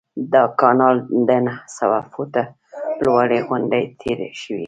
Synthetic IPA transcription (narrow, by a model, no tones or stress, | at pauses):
d̪əkɑnɑld̪ənahsawafot̪a | lwaɽeɣʊɳɖajt̪ʰeɾʃəwḭ